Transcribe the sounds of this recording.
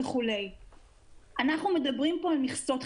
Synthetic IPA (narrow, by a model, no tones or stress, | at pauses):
eχule̞j | ʔanaχnume̞d̪abʁimpo̞almiχso̞t̪